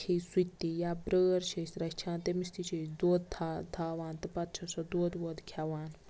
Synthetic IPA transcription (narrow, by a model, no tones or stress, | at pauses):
kʰejsut̪ːijaːbɾəːɾt͡ʃʰɐsɾɐkt͡ʃʰaːnt̪emist̪it͡ʃʰɐsd̪oːd̪̚d̪ʰad̪ʰʱaːʋaːnt̪ɨpɐt̪̚t͡ʃʰɐsɐd̪oːd̪ʋoːd̪kʲʰjaʋaːn